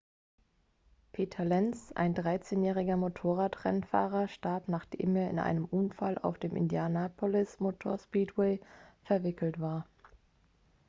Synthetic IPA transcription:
pʰeːtʰɐlɛnsa̰ɪndʁaɪt͡seːnjɛːʁ̞ɪɡɐmotʰoːʁaːtʁ̥ɛ̰nfa̰ːʁɐʃtaɐpnaːχd̥ḛːmeːɐɪ̰nʔa̰ɪnəmʔʊnfalʔa̰ʊfd̥eːmʔɪ̰ndjaːnapʰolɪsmotʰoːɐspiːtwɛɪfɛɐvɪkl̩tv̥aːɐ

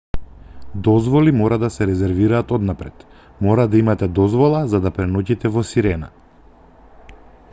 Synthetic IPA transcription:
d̪ɔzvɔlimɔɾad̪asɛɾɛzɛɾviɾaːt̪ɔd̪napɾɛt̪ | mɔɾad̪aimat̪ɛd̪ɔzvɔlˠazad̪apɾɛnɔcit̪ɛvɔsiɾɛna̰

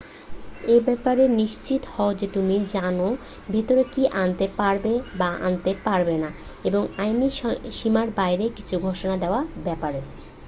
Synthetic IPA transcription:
ebɛpaɾeniʃt͡ɕit̪hɔod͡ʑet̪umid͡ʑano | bʱit̪oɾekiʔant̪epaɾbebaʔa̰nt̪epaɾbena | eboŋajniʃimaɾbajɾeki̥t͡ɕʰuɡʱoʃonad̪eoabɛpaɾe

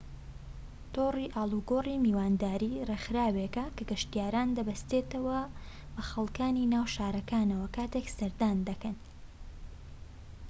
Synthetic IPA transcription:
t̪ʰoːriːʔaːlˠuɡorimiːwaːnd̪aːɾiːrexɨɾaːwekɐkɐɡɨʃt̪ijaːɾaːnd̪ɐbɐst̪et̪ɐwɐ | bɐxɐlˠkaːninaːwʃaːɾɐkaːnɐwɐkʰaːt̪eksɐɾd̪aːnd̪ɐkɐn

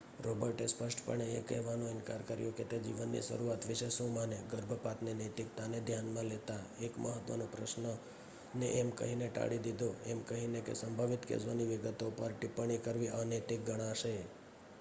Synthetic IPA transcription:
ɾobəɾʈespəʃʈʰpəɳeːkɛ̰ɦʋanõɪnkaɾkəɾjõket̪ed͡ʒḭʋənːḭʃə̰ɾuat̪ʋɪʃesomaneɡəɾbʱəpat̪nenət̪ɪk̚t̪aned̪ʱjanmãlet̪aekməɦət̪ʋə̰nõpɾə̰ʃnə | nḛʔemkə̰ɦineʈa̰ɽid̪id̪ʱoemkəɦinekḛsəmbʱaʋɪt̪kḛd͡ʒʋaniʋɪɡət̪opəɾʈipəɳikəɾʋianet̪ik̚ɡəɽ̃ãʃe

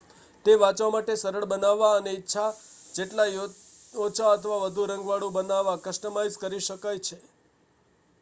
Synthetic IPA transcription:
t̪eʋat͡ʃʋamaʈesəɾəɭbənaʋːaəneitːʃʰad͡ʒeʈla | ot͡ʃʰaət̪ʰəʋaʋəd̪ʱuɾə̃ŋɡʋaɽũbənaʋːakəʃʈəmaiskəɾiʃəkajt͡ʃʰe

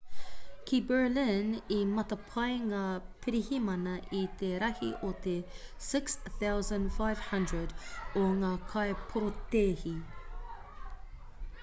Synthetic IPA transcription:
kʰibə˞lɪnimɐt̪ɐpʰɐjŋaːpʰiɾihimɐnɐʔit̪eɾɐhḭʔot̪esɪksθawzɐ̃ndfajv̥hɐ̃ndɹədoŋaːkʰɐejpʰoɾot̪eːhi

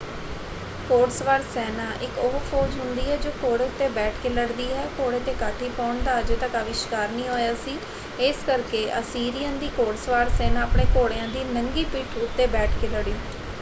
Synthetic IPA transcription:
koːɽsʋaːɾsɛːnãːʔɪkoɦpʰoːd͡ʒɦʊnd̪iːɦɛːd͡ʒoːkoːɽeːʊt̪ːeːbɛːʈʰkeːləɽd̪iːɦɛːkoːɽeːt̪eːkaːʈʰiːpaːɳd̪aːəd͡ʒeːt̪əkaʋɪʃkaːɾnĩːɦoːjaːsiː | eːskəɾkeːʔə̰siːɾijə̃nd̪iːkoːɽsʋaːɾsɛːnaːəpɳeːkoːɽejãːd̪iːnəŋɡiːpiːʈʰʊt̪ːeːbɛːʈʰkeləɽiː

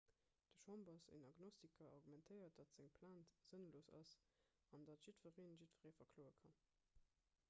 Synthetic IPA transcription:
d̥əʃɑmbɐsḛnɑɡnostikʰɐɑʁɡumɛntʰəɪɐt̚d̥ɑtz̥eŋpʰlaːntz̥ənloːsɑ̰s | ɑndɑtʒ̥itfəʁeːnʒitfəʁeːfɐkʰloːəkʰɑn

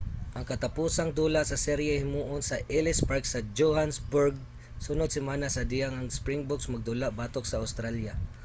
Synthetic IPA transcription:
ʔaŋkat̪apusaŋd̪uːlaʔsasɛɾjahɪmuːʔonsɐʔɛlɪspaɹksad͡ʒohansbʊɹɡ̚ | sunʊd̪̚sɪmaːnasad̪ijaŋaŋspɾɪŋbʊksmaɡ̚d̪ulaʔbaːt̪oksaawst̪ɾalja

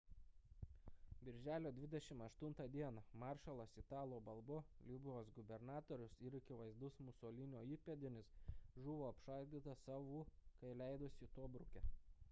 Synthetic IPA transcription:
bʲɪɾʲʒʲæːlʲoːd̪ʲʋʲɪd̪ʲɛʃʲɪmɐʃt̪ʊnt̪ɐd̪ʲiɛnɐmɑːˑɾʃɐlˠɐsɪt̪ɑːlˠoːbɐlˠboːlʲɪbʲɪʋoːsɡʊbʲɛɾnɑːt̪oːɾʲʊsɪɾɪkʲɪʋɐɪzd̪ʊsmʊsoːlʲɪnʲoːiːpʲɛd̪ʲɪnʲɪsʒʊʋoːɐpʃɑːˑlʲd̪ʲiːt̪ɐsɑːʋuːkɐɪlʲæˑɪd̪ʊsʲɪt̪oːbɾʊkʲɛ

